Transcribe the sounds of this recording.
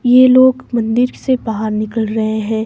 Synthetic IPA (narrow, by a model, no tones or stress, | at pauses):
jeloːɡmɐ̃nd̪ɪɾsebaɦaɾnɪkəlɾɐɦeɦɛ̃ː